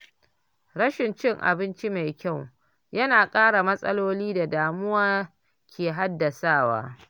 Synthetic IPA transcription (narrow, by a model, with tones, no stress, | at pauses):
ɽɐ˦ʃɪ˨nt͡ʃɪ˦˨ŋʔa̰˨bɪ˦nt͡ʃi˦ma˨jkʲa˦˨w | jɐ˦naː˨kʼaː˦ɽa˨mɐ˦sʼɐ˦loː˦liː˦da˨daː˨mʊ˦waː˦ | kʲʰeː˨ɦa˦dːɐ˨saː˦˨wa̰ː˦